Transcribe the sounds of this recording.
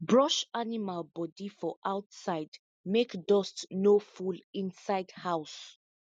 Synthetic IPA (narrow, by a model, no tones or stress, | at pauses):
bɹɔʃanimalˠbɔdifɔʔaʊtsaɪd | mekdɔstnofulĩnsaɪdhaʊs